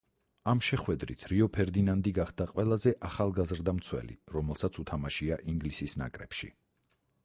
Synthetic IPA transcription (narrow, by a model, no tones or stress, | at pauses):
amʃɛχwɛd̪ɾḭt̪ʰɾiɔpʰɛɾd̪inand̪iɡaχd̪aqʼwɛlˠazɛʔaχalˠɡazɾd̪amt̪sʰwɛ̰lḭɾɔmɛlˠsat̪sʰut̪ʰamaʃiaʔiŋɡlisisna̰kʼɾɛ̰pʃḭ